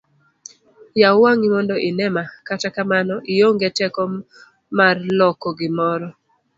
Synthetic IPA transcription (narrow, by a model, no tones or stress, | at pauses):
jawaŋimɔndɔʔɪnɛmakatakamanɔʔɪjoŋɡetɛkɔ | marlɔkɔɡɪmɔɾɔ